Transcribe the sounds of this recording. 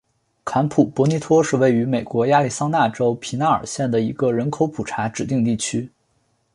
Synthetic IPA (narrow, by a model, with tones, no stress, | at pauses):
kʰa˧˥npʰu˨˩pwɔ˧˥ni˧˥t̪ʰwɔ˥ʂɻ̩˥˧we˥˩ɪy˧˥me˨˩ɪkwɔ˧˥ja˥˧li˥˩sɑ˥ŋna˥˩ʈ͡ʂo˥ʊpʰi˧˥na˥ə̰˞˨˩ɕjɛ˥˩nd̪ə˩i˧˥ɡə˧ɻə˧˥nkʰo˧˥ʊpʰu˨˩ʈ͡ʂʰa˧˥ʈ͡ʂɻ̩˨˩t̪i˥˧ŋt̪i˥˩t͡ɕʰy˥